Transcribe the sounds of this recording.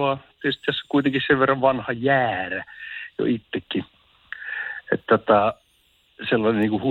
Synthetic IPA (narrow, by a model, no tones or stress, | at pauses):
ɑt̪ːeˑst̪ːæsːæ̥kuit̪eŋkisseʋʋerːɑʋʋɑnhɑjæːræjo̰it̪ːekːi | ḛt̪t̪ot̪ɑ | selːɑnenniːkuhu